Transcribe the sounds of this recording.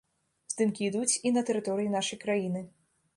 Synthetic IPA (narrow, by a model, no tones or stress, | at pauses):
z̥d̪ɨmkʲiːd̪ut͡sʲinɐt̪ɛɾɨt̪ɔɾɨjinaʂɐjkɾajinɨ